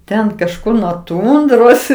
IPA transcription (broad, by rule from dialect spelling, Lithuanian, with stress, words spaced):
ˈtʲɛn kɐʃˈkʊr nuɔ ˈtʊndroːs